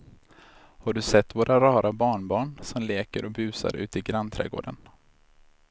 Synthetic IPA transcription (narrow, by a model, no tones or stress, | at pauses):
haɖɵsɛt̪ːvoːɾʔaɾɑːɾabɑːɳbɑːɳsɔmleːkəɾɔbʉ̟ːsa̰ɾʉ̟̰ːt̪əɪɡɾant̪ʰɾɛ̰ːɡo̰ːɖən